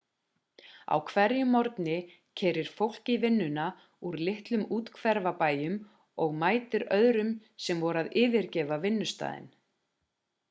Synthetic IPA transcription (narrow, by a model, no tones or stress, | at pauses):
a̰wkʰvɛɾjʏmːɔɾt̪nɪ | cʰɛːɾɪɾ̥fowl̥cɪvɪnːʏna | uɾlɪht̪lʏmuːt̪kʰvɛɾvapaːjʏm | ɔɣmaːjt̪ɪɾœðɾʏmsɛmvɔɾaðɪːvɪɾcɛːvavɪnːʏst̪a̰ːðɪ̰n